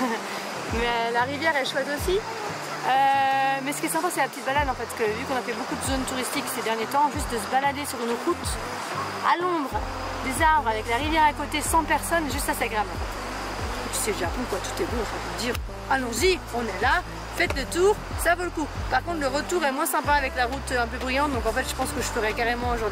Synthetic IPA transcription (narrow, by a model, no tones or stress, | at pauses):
mɛølaʁivjɛʁɛʃwɛt̪osi | ømɛsə̥kʲiɛsɛ̃pasɛlapət̪it̪balad̪ɑ̃fɛt̪skəvykɔ̃nafɛbokud̪əzont̪uʁist̪iksed̪ɛʁnjet̪ɑ̃ʒyst̪̚d̪əs̬əbalad̪esyʁynʁut̪ | alɔ̃bʁ | d̪ezaʁbʁavɛklaʁivjɛʁakot̪esɑ̃pɛʁsɔnʒyst̪asɛɡʁamɑ̃fɛt̪ | t̪y̥sɛləʒapɔ̃kwat̪u̥t̪ɛboɑ̃fɛ̃vmd̪iːʁ | alɔ̃zi | ɔ̃nɛla | fɛt̪lət̪uːʁsavoləkupaʁkɔ̃t̪χləʁət̪uʁɛmwɛ̃sɛ̃paːvɛklaʁut̪øɛ̃pøbʁijɑ̃t̪̚d̪ɔ̃kɑ̃fɛt̪ʒ̥ə̥pɑ̃skəʒəfəʁɛkaʁemɑ̃oʒuʁd̪i